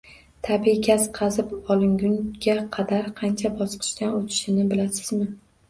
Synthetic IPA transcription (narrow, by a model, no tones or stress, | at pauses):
t̪ʰabiɡʲʰazqʰɑzɪpɒlˠɪŋɡʊŋɡʲaqʰɑd̪aɾqʰɑnt͡ʃʰabɒsqʰɨ̥ʃt̪anot̪ʰɪ̥ʃɪnɪbɪlasɪzmɪ